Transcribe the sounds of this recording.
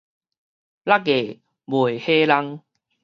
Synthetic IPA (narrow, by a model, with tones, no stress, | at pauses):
la˦ke˨˩ | bo˨˩˨he˦la˦ŋ